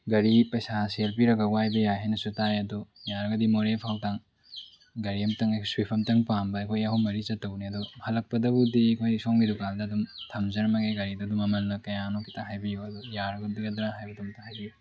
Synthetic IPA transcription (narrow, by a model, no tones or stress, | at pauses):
ɡɐɾipɐjsaselpiɾɐɡɐɡuhajbɐjaɦajnɐsutajɐdujaɾɐɡɐdimoɾepʰawtaŋ | ɡɐɾiɐmtɐŋɐkʰsuwipʰɐmtɐŋpambɐɐjkʰojɐɦuwmɐɾit͡ʃɐtːɐwniɐduhɐlɐk̚pɐdɐbudikʰojisomɡidukaldɐːdumtʰɐmzɐɾmɐɡeɡɐɾidɐːdumɐmɐlnɐkɐjanokʰi̥tʰaɦajbijuɐdujaɾɐɡɐdiɡɐdɾaɦajbɐtumtahajbiju